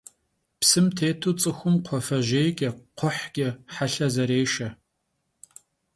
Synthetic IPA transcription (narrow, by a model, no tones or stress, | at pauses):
psɨmtʰeːtʰuːt͡sʼɨxʷʊmqʷʰɔfɐʒeːjɡʲʼɐqʷʰʊħɡʲʼɐħaɬɐzɐɾeːʃɐ